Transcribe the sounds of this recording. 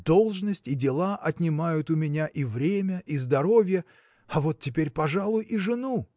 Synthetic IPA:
d̪̥o̞lˠʐnəsʲtʲidʲɪlˠaʔɐt̪ʲnʲɪmajʊt̪ʊmʲɪnʲaʔivɾʲemʲəʔizd̪ɐɾo̞vʲjə | ɐvo̞t̪̚ʲtʲːɪpʲeɾʲpɐʐalˠʊjʔiʐɨnu

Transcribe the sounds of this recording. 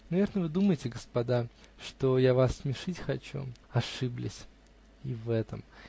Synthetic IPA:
nɐvʲe̞rnəvɨd̪uməjɪtʲɪɡəspɐd̪a | ʂt̪ojavasːmʲɪʂɨtʲxɐt͡ɕṵɐʂɨblʲɪ̰sʲ | ivɛt̪əm

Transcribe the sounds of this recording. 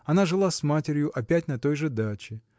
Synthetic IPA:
ɐnaʐɨlˠasmatʲɪɾʲjʊʔɐpʲætʲnɐt̪o̞jʐɨd̪at͡ɕɪ

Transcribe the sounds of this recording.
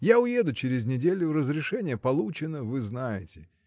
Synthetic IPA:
jaʊjed̪ʊt͡ɕɪɾʲɪzʲnʲɪdʲelʲʊrəzɾʲɪʂɛnʲɪjəpɐlˠut͡ɕɪnəvɨznajɪtʲɪ̥

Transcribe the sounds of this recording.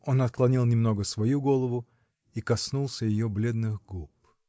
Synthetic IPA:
o̞nɐt̪̚klˠɐnʲilˠnʲɪmno̞ɡəsvɐjuɡo̞lˠəvʊ | ikɐsnulˠsʲəjɪjoblʲe̞d̪nɨxɡup̚

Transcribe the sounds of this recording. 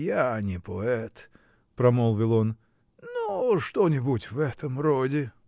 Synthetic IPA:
janʲɪpʰoɛt̪ | pɾɐmolˠvʲɪlˠon | noʂt̪onʲɪbutʲvɛt̪əmrodʲɪ

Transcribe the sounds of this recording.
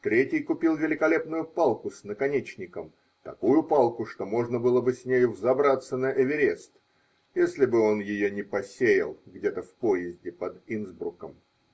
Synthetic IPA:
t̪ɾʲetʲɪjkʊpʲilˠvʲɪlʲɪkɐlʲe̞pnʊjʊpalˠkʊsʲnəkɐnʲet͡ɕnʲɪkəm | t̪ɐ̰kujʊpalˠkʊʂt̪o̞mo̞ʐnəbɨlˠəbɨsʲnʲejʊvzɐbɾat̪sːənəʔɪvʲɪɾʲest̪ | jesʲlʲɪbɨo̞njɪjonʲɪpɐsʲejɪ̰lˠɡdʲe̞t̪əfpojɪzʲdʲɪpəd̪inzbukəm

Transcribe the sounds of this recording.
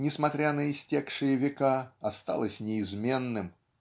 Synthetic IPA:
nʲɪsmɐt̪ɾʲanəɪsʲtʲekʂɨjəvʲɪkaɐst̪a̰lˠəsʲnʲɪːzmʲe̞nːɨm

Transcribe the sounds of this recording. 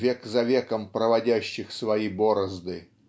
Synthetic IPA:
vʲeɛkzɐvʲekəmpɾəvɐdʲæɕːɪxsvɐiboɾəzd̪ɨ

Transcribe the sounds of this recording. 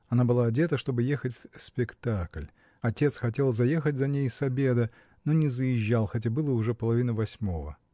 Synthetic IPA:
ɐnabɨlˠaɐdʲe̞t̪əʂt̪o̞bɨjexətʲfsʲpʲɪkt̪aklʲ | ɐtʲe̞t̪sxɐtʲe̞lˠzɐje̞xətʲzɐnʲejsɐbʲe̞d̪ə | no̞nʲɪzəjɪʑːalˠxɐt̬ʲabɨlˠəʊʐɛpəlˠɐvʲinəvɐsʲmo̞və̰

